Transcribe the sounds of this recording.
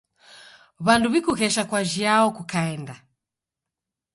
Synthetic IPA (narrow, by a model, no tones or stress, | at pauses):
βanduβikuɣɛʃakwaʒiaɔkukaɛnda